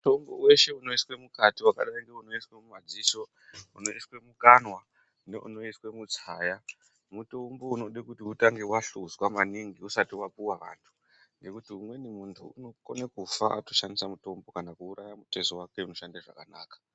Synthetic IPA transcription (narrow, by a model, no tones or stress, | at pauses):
muto̞mbo̰we̞ʃe̞uno̞iswe̞mukatiwaka̰ɗaiŋɡe̞uno̞iswe̞mumad͡ziːso̞ | uno̞iswe̞mukanwa | nḛʔṵno̞iswe̞mut͡saːja | muto̞mbouno̞ɗekutiutaŋɡewaɬuzwamaniŋɡiusatiwapuwaʋa̰ntʰu̥ | ŋɡe̞kutiumwe̞nimuntʰuuno̞ko̰nekufaʔa̰toʃandisamuto̞mbo̞kanakuːɾajamutesowake̞uno̞ʃandaʐa̰kanaːkḁ